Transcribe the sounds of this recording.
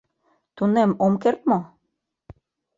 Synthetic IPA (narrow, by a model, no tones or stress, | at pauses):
t̪unemomkert̪̚mo